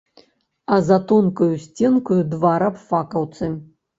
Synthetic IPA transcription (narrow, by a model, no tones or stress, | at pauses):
ɐzat̪ɔnkɐjusʲt͡sʲɛnkujud̪vaɾapfakɐwt̪sɨ